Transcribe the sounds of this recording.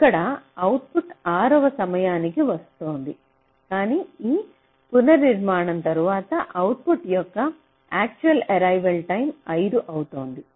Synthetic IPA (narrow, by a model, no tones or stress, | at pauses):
ikːɐɽɐɐwʈ̚puʈaːɾɐʋɐsɐmɐjaːnikiʋɐst̪oːnd̪i | kaːniːiː | punɐɾniɾmaːɳɐnt̪ɐɾuʋaːt̪ɐʔɐwʈ̚puʈjɔkːɐ | aːk̚t͡ʃuɐlɐɾɐjʋɐlʈɐjmɐjd̪uʔɐwut̪o̞ːnd̪i